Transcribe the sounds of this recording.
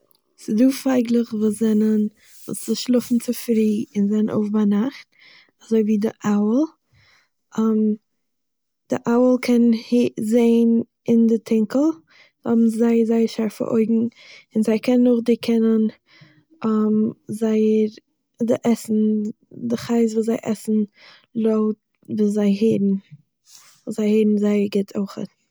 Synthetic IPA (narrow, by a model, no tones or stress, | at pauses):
sɪduːfaɪɡlˠəχvuːszɛnən | vṵsɪʃlˠʊfn̩t͡sɪfɾiːɪnzɛnənʔo̰ʊfbanaχt̚ | azoɪviːdɪ̰ʔaʊəlˠ | am | d̥ɪ̰ʔaʊəlˠkʰɛnhizeɪn | ɪndɪtʰɪŋkl̩ˠ | ɔ̰bm̩zaɪəɾzaɪəɾʃaɾfə̰ɾʔo̰ɪɡŋ̩ | ɪnzaɪkʰɛnːʊχdɪkʰɛnən | amzaɪəɾ | dɪʔɛsn̩ | dɪχaɪs̬vuːs̬zaɪʔɛsn̩ | lˠoʊt | vuːszaɪɦedn̩ | vuːszaɪheːdn̩zaɪəɾɡɪtʰoɪχə̰t